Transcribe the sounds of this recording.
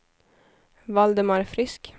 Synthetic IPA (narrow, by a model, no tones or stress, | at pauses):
ʋɑld̪əmɑɾfɾɪsk